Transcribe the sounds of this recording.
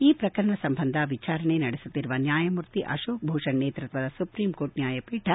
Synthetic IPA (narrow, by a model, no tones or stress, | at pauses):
iːpɾɐkɐɾɐɳɐsɐmbɐnd̪ʱɐʋit͡ʃaːɾɐɳenɐɽesut̪ːiɾuʋɐnjaːjɐmuɾt̪iʔɐʃoːk̚bʱoːʂɐneːt̪ɾut̪ʋɐd̪ɐsupɾiːmkoːɾʈnjaːjɐpiːʈɐ